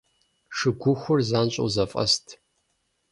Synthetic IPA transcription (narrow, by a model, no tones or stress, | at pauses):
ʂɨɡʷʊxʷʊrzaːnɕʷʼo̰wzɐfʼɐ̰stʰ